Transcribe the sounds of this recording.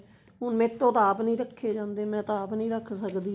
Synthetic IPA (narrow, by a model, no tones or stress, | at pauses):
ɦʊnmẽːt̪ːõːt̪aːpnĩːɾəkʰːeːd͡ʒãːnd̪eːmɛ̃ːt̪aːpnĩːɾəkʰsəkd̪iː